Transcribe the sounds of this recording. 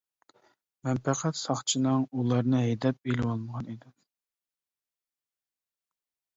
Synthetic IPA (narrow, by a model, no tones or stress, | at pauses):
mɛnpæqʰɛt̪sɑχt͡ʃʰinɨŋulˠɑɾnɨɦɛjd̪ɛp̚elɪwɑlˠməʁɑnid̪ɪ